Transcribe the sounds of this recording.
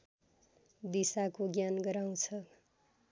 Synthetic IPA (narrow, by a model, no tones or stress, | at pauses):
d̪isakoɡjanɡʌɾaw̃t͡sʰʌ